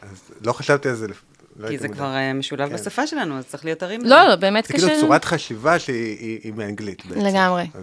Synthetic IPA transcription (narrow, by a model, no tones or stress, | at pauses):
azlo̞χaʃavt̪ialzelef | loizekvaʁemeʃulavbasafaʃelanuazt̪t͡sʁi̥liotaʁimllolobeːmet̪kkeiuet͡suʁat̪χaʃivaʃeiiimeanɡlit̪beleɡamʁe